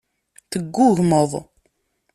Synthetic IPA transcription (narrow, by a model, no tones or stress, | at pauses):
θəɡːʊʝməðˤ